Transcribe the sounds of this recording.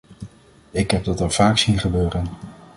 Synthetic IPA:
ɪkɦɛb̚dɑtəɹv̥aːksinχəbøːrən

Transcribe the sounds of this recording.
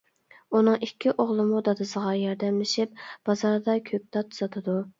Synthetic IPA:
unɨŋikʲːiʔoʁlˠɨmud̪ɑd̪ɨsəʁɑjɑɾd̪ɛmlɪʃip̚b̥ɑzɑɾd̪ɑkʲʰøp̚t̪ɑt̪ʰu̥zɑt̪ʰɨd̪u

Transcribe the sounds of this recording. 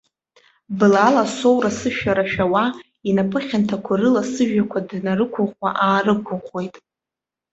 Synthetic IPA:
bɨlalasowrasɨʃᶣaɾaʃᶣawa | inapʼɨχʲantʰakʷʰarɨlasɨʒᶣakʷʰadnarɨkʷʰʊχʷaʔaːrɨkʷʰʊχʷo̞jtʼ

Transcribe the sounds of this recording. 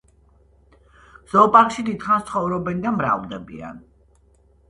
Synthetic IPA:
z̥ɔpʼaʁʃid̪id̪χanst̪sʰχɔvɾɔbɛnd̪amɾa̰vld̪ɛbḭa̰n

